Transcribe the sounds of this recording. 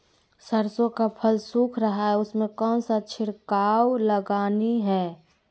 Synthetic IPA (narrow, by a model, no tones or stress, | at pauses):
səɾsõkapʰəlsuːkʰɾɐɦaɦɛʊsmẽkɔːnsat͡ʃʰɪɽkaːwləɡaːniɦɛː